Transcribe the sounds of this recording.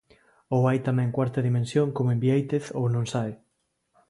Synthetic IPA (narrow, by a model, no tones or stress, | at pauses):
owajt̪amɛ̃ŋkwaɾt̪ɐðimẽnsjoŋkomoẽmbiejt̪eθownõŋsae